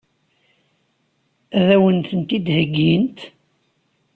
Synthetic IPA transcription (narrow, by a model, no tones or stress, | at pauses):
æðæwənt̪ənt̪id̪həɡːint̪